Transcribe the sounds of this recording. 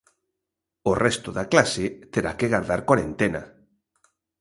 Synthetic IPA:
orʔɛst̪oðaklaset̪eɾa̰keɣaɾðaɾkwaɾent̪ena̰

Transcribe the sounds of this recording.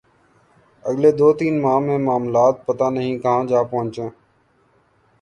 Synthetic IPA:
əɠleːd̪oːt̪iːnmãːmẽːmaːmlaːt̪̚pət̪aːnəɦĩːkãːd͡ʒaːpəɦʊ̃ɲt͡ʃõː

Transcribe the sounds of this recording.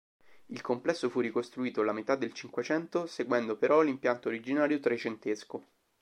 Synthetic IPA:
ilkomplɛsːofurːikost̪ɾuiːt̪olamet̪ad̪ːelt͡ʃiŋkwet͡ʃɛnt̪oseɡwɛnd̪opeɾɔlimpjant̪oɾid͡ʒinaːɾjot̪ɾet͡ʃent̪esko

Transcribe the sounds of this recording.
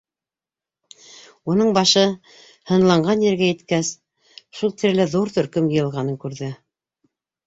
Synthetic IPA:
unɤɴbɑʃɤ | hɤ̆nlˠɑɴɢɑnjɘ̆ɾɡæjɘ̆t̪kæs | ʃulˠt̪ɘ̆ɾlɘðuɾt̪ɵ̆ɾkɵmjɤ̆jɤ̆lˠʁɑnɤŋkʉɾðɘ

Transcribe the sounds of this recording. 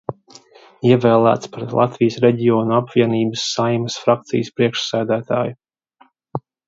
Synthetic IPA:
iɛvɛːlˠæ̰ːt̪spɾɛt̪lˠa̰t̪vijəsɾɛɟiɔːnuapvʲiɛniːbəsːajmɐsfɾakt̪sḭjəspɾiɛkʃsæːd̪æːt̪aːju

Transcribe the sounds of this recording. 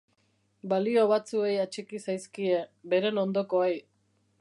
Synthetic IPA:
balio̞β̞at͡sue̞jat͡ʃikisajskie̞be̞ɾe̞no̞nd̪o̞ko̞aj

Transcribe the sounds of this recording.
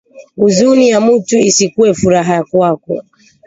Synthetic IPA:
uzunijamutuisikuɛfuɾaɦaakwakɔ

